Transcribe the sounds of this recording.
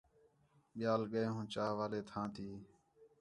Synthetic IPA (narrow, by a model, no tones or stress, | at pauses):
ɓɪjaːlɠəeːɦũːt͡ʃaːɦʋaːleːt̪ʰãːt̪ʰiː